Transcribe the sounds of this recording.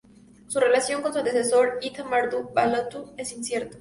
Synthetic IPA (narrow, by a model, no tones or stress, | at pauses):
sure̞lasjo̞ŋkonsuaðefesoɾit̪amaɾd̪ubalot̪uesinsjeɾt̪o̥